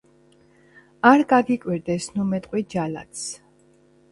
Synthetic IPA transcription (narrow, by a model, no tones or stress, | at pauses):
aɾɡaɡikʼwiɾd̪ɛsnumɛt̪ʼqʼwid͡ʒala̰t̪s